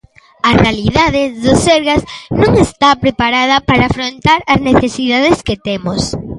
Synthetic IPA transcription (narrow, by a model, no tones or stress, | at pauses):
ɐrealiðaðeðʊseɾɣaznõŋest̪apɾepaɾað̞ɐpaɾaːfɾont̪aɾɐzneθesiðað̞esket̪emʊs